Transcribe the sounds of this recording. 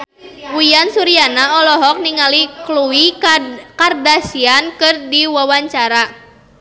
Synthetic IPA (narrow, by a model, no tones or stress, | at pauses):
wujansuɾianaɔlɔɦɔk̚niŋalikluwikardasiankɨrdiwawaɲt͡ʃaɾa